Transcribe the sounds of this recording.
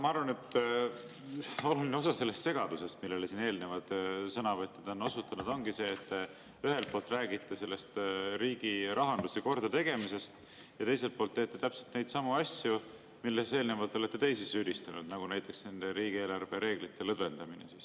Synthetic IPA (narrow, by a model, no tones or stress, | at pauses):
mɑɑɾvɑne̞t̪ː | o̞lulineo̞sɑse̞lːe̞st̪se̞ɡ̥ɑd̪use̞st̪milːe̞lesiːne̞ːlnevɑlt̪sɤnɑvɤt̪ʲjɑd̪o̞nːo̞sut̪ːˑɑnud̪̥o̞ŋɡise̞ːt̪ːe | yɦe̞lt̪̚po̞ːlt̪ˑræːɡit̪ːˑese̞lːe̞st̪ɾiːɡ̥iɾʔɑɦɑnd̪useko̞rd̪ɑt̪e̞ɡ̥e̞mise̞st̪ | jɑt̪e̞js̬e̞lt̪̚po̞ːlt̪ːeːt̪ːˑet̪æpselt̪ne̞jd̪sɑmuɑsju | milːese̞ːlnevɑlt̪ˑole̞t̪ːe̞t̪e̞jsisyːd̪̥ist̪ɑnud̪̥nɑɡ̥unæjt̪ːˑe̞ksne̞nd̪̥e̞ɾiːɡ̥ie̞ːlɑrve̞ɾe̞ːɡ̥lit̪ːe̞lɤd̪ve̞nd̪̥ɑminesiːs